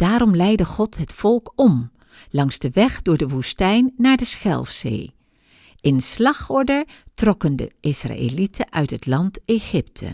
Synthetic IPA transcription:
d̥aːɾɔmlɛjdəχɔtɦətfɔlˠkɔm | lɑŋzdəʋɛχdʊːɹdəʋustɛjnːaːɹdəsχɛ̰lˠfsḛj | ʔɪnslɑχɔɹdəɹtrɔkəndə̰ɪsra̰ʔḛlitʰəʔœɥtɦətlɑnteχɪptʰə̰

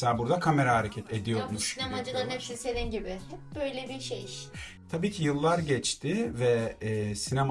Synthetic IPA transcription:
seaːbuɾd̪akʰameɾahaɾecʰɛt̪ʰed̪ijoɾmuʃinemad͡ʒɯlˠaɾnɛpsised̪inɟibɪbøjlʲɛbiʃḛjʃ | t̪ʰabiːcʰijɯlˠːaɾɟɛt͡ʃt̪ʰɪvɛːsinem

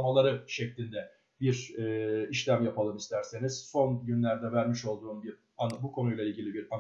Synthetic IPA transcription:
malˠaɾɯʃɛclʲind̪ɛ | biɾɛːiʃlʲæmjapalˠɯmist̪ʰæɾse̞niz̥so̞nɟynlʲæɾd̪ɛvæɾmiʃo̞lˠd̪uːnbiɾ | anbukʰo̞nujlˠailʲɟilʲibiɾan

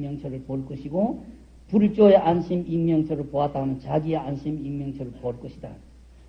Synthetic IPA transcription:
jʌŋt͡ɕʰʌɾɯɭpoɭk͈ʌɕʰiɡo | puɭt͡ɕ͈oeʔanɕʰiminmjʌŋt͡ɕʰʌɾɯɭpoat͈aɦnɯnt͡ɕaɡie̞anɕʰiminmjʌŋt͡ɕʰʌɾɯɭpoːɭk͈ʌɕʰida

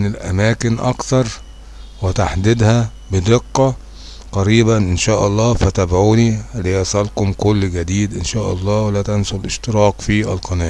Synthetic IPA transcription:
nɪlʔæ̰mæːkɪnʔɑ̰kt̪ɑɾˤ | wɪt̪aħd̪ɪd̪hæ | bɪd̪eqːɑ | qɑɾiːbænʔɪnʃæːʔɑlˤːɑːfæt̪æbʕuːnilːejɑsˤɑlkʊmkʊlːɡæd̪iːd̪ʔɪnʃæːʔɑ̰lˤːɑːwelæːt̪ænsʊlʔɪʃt̪ɪɾɑːqfiʔæ̰lqɑnæː

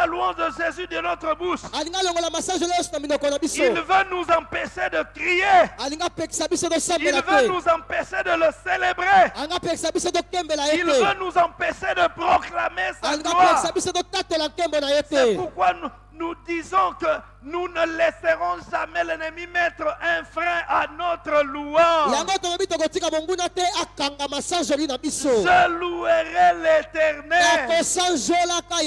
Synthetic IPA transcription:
aluwɑ̃ʃd̪əʒezyd̪ənɔt̪χəbuʃaliŋɡaloŋɡolamasaʒelejɔ̃sonaminɔkɔnabisoilvənuzɑ̃peʃed̪əkʁijealiŋɡapɛksabisotosãmbelatvenuzɑ̃pɛʃed̪ələselebʁeaĩŋɡapɛksabisotokɛmbelajeitlevanuzɑ̃pɛʃed̪əpʁoklamesaliŋɡawpɛksabisototatelaŋkɛmbɔnajesteɛpuʁkwa | nudizɔ̃kə | nunəlɛsəʁɔ̃ʒamɛlɛnəmimɛt̪ʁəʔɛ̃fʁɛ̃ʔanɔt̪ʁəluãjaŋɡotokabitokotikamoŋɡunatɛakaŋɡamasãʒolinabisoʒəlueʁɛletɛʁnɛalkosãzolaka

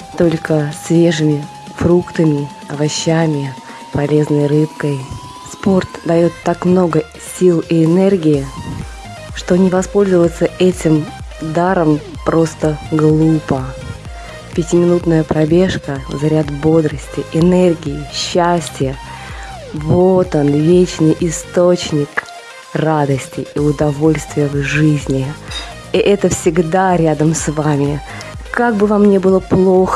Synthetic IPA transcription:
t̪o̞lʲkəsvʲe̞ʐɨmʲɪ | fɾukt̪əmʲɪ | ɐvɐɕːamʲɪ | pɐlʲe̞znəjrɨpkəj | spo̞rt̪d̪ɐjo̞t̪ːakmnoɡə | sʲilˠiɪnɛrɡʲɪɪ | ʂt̪o̞nʲɪvɐspo̞lʲzəvət̪səʔɛtʲɪm | d̪aɾəmpɾo̞st̪əɡlˠupə | pʲɪtʲɪmʲɪnut̪nəjəpɾɐbʲe̞ʂkəvzɐɾʲat̪bo̞d̪ɾəsʲtʲɪʔɪnɛrɡʲɪɪɕːæsʲtʲɪjə | bot̪ənvʲet͡ɕnɨjʔɪst̪ot͡ɕnʲɪk | rad̪əsʲtʲɪʔiʊd̪ɐvo̞lʲst̪vʲɪjəvʐɨzʲnʲɪ | iʔɛt̪əfsʲɪɡd̪aɾʲad̪əmsvamʲɪ | kaɡ̚bɨvamnʲebɨlˠəplˠo̞x

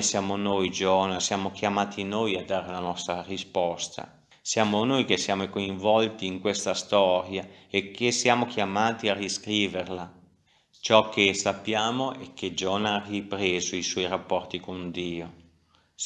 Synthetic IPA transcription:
sjaːmonojd͡ʒɔːnasjaːmok̟jamaːt̪ʰinojad̪ːaːɾeunanɔst̪ɾarispɔst̪a̰ | sjaːmonojk̟esːjaːmokoiɱvɔlt̪iːŋkwest̪ast̪ɔɾjaekʰːesːjaːmokjamaːt̪iariskɾiːverla | t͡ʃɔk̟ːesapːjaːmoʔɛkːed͡ʒɔːnaaripɾeːzoiswɔjɾapːɔrt̪ikond̪iːo

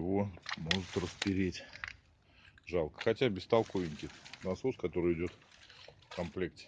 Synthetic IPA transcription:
ɪvo̞mo̞ʐɨt̪rəspʲɪɾʲetʲ | ʐɑlˠkə̥xɐtʲabʲɪst̪ɐlˠkovʲɪnʲkʲɪnɐsoskɐt̪o̞ɾɨjɪdʲo̞t̪fkɐmplʲek̚tʲɪ̥

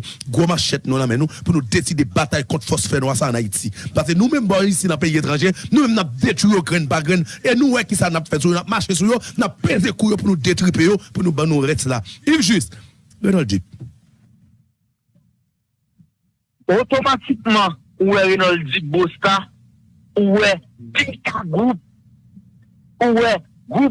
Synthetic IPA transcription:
ɡomaʃɛt̪̚nũlãmɛ̃nũpunũd̪esid̪ebat̪ajkɔ̃t̪fɔsfɛnũasãːnaitipas̬enũmɛ̃mbããisinɐ̃p̬eiet̪ʁɑ̃ʒenũmɛ̃mnap̚vetijoɡʁɛ̃nbaɡʁɛ̃nenũwɛkisanapfɛts̬ujonap̚maʃes̬ujonapːezekujopunũd̪et̪ʁipejopunũbãnũʁɛslaivʒyst̪ | ʁenaldip̚ | ot̪omatik̚mɑ̃ | uwɛɣenaldibost̪a | uwɛ | dekaɡʁup̚ | uwɛ | ɡʁup

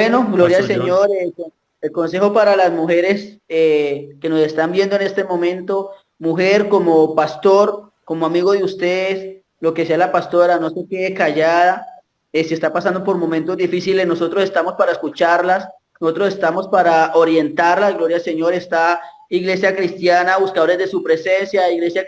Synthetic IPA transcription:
bweno̞ɡloɾjaseɲoɾe | elko̞nse̞xopaɾalazmuxe̞ɾe̞seke̞no̞se̞st̪ambje̞nd̪oe̞ne̞st̪e̞mo̞mẽnt̪o̞ | muxe̞ɾko̞mo̞past̪o̞ɾ | ko̞moamiɣo̞ðeust̪e̞ðes | lo̞ke̞sealapast̪o̞ɾano̞se̞keekaʝaða | esie̞st̪apasand̪o̞po̞ɾmo̞mẽnt̪o̞zd̪ifisilesno̞so̞t̪ɾo̞se̞st̪amo̞spaɾaeskut͡ʃaɾlas | noso̞t̪ɾo̞se̞st̪amo̞spaɾao̞ɾje̞nt̪aɾlazɡlo̞ɾjalse̞ɲo̞ɾe̞st̪a | iɣle̞sjakɾist̪janaβuskaðo̞ɾe̞zd̪e̞supɾe̞se̞nsjaiɣle̞sja

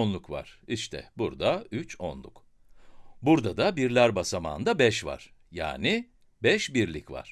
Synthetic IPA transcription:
nlˠukva̰ɾ̥iʃt̪ʰɛ̰buɾd̪ayt͡ʃonlˠuk | buɾd̪ad̪abiɾlʲæɾbasama̰ːnd̪abɛʃva̰ɾ̥ja̰ːni | bɛʃbiɾlʲicva̰ɾ̥

